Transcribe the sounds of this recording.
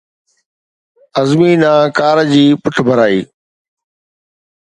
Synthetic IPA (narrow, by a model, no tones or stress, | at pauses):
əzmiːnãːkaːɾd͡ʑiːpʊʈʰbʱəɾaːḭː